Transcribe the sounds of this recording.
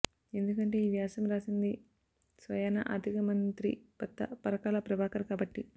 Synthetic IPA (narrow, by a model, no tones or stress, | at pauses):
e̞nd̪ukɐɳʈe̞ːiːʋjaːsɐmɾaːsind̪i | sʋɐjɐːnɐ̰ʔɐ̰d̪ʱikɐmɐnt̪ɾḭpɐt̪ːɐ̰pɐɾɐkaːlɐpɾɐbaːkɐɾkaːbɐʈːi